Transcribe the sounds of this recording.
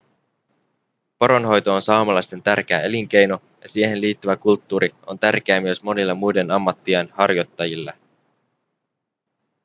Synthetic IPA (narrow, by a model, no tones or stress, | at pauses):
poɾo̞nɦo̞jt̪o̞ːnsɑomɑlɑjst̪e̞nt̪ærk̟eæe̞liŋke̞jno̞ | jɑsie̞ɦe̞nliːt̪ːyʋækult̪ːuːɾio̞̰nt̪ærk̟eæːmyø̞smo̞nilːɑmujde̞nɑmːɑt̪ːiɑnhɑrjo̞t̪ːɑjilːɑ